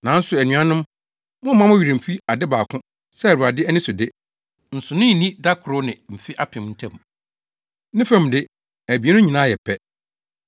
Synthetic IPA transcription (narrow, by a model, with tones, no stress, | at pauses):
nã˨n̩˦sʊ˨æ˨nɥ̃ã˦nʊ̃˦m | mʊ̃˦mã˦mʊ̃˦ɥi˨ɾɪ̃˨fi˦a˨dɪ˦baː˨kʰʊ̃˦ | sɛ˦˨wu˨ɾa˨dɪ˦ɛ˦nɪ̃˦sʊ˨dɪ˦ | n̩˨sʊ˨nʊ̃˦˨nĩ˦da˦kʰʊ˨ɾʊ˦nɪ̃˨m̩˨fɪ˦ʔa˦pʰɪ̃˨mn̩˦tʰɛ̃˦˨m˨ | nɪ̃˦fɛ̃˦˨m˨dɪ˦ | æ˨bi˨e˦nʊ̃˦ɲĩ˨nãː˦jɛ˨pʰɛ˦